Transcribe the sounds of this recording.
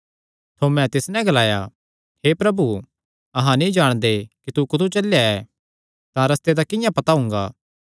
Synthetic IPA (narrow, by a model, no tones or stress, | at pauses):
t̪ʰomɛ̃t̪ɪsnɛ̃ɡɐlaːja̰ | hepɾɐbu | ɐɦãnĩd͡ʒaːɽ̃d̪ekit̪ukʊt̪ʰut͡ʃɐljaɛ | t̪ãɾɐst̪ed̪akɪ̃jãpɐt̪aɦʊ̃ːŋɡa̰ː